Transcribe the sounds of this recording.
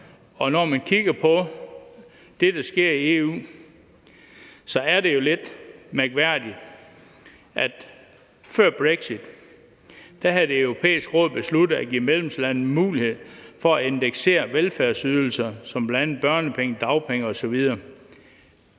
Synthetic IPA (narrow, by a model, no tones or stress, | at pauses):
ɒ̽nɒmænkʰiɡ̥ɐpʰɒ̽ | d̥e̝d̥ɑ̈sɡ̥e̝ɐ̰ie̝ṵː | sɒ̽æɐɾe̝jo̝le̝d̥mæɐɡ̥ʋæɐ̰d̥id̥ | ʔæd̥ | fɶɐ̰b̥ʁeɡ̥sid̥ | æɦæðd̥e̝øʊʁo̝pʰḛːisɡ̥ʁɔ̰̽ð̰ˠb̥e̝slud̥ð̩ˠæɡ̥ḭːmelemslænn̩muːlihe̝ð̰ˠfɒ̽æe̝nd̥eɡ̥se̝̰ːɐʋelfæɐsyð̞ˠl̩sɐsɒ̽mb̥læn̰̩̚b̥ɶɐnəpʰeŋəd̥ɑ̈ʊpʰeŋəɒ̽sɒ̽ʋið̞ˠɐː